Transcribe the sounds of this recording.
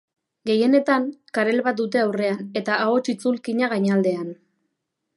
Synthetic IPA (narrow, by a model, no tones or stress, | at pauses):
ɡe̞je̞ne̞t̪aŋkaɾe̞lβat̪̚d̪ut̪̬e̞awre̞ane̞t̪aaot͡ʃit͡sulkiɲaɣ̞aɲald̪e̞an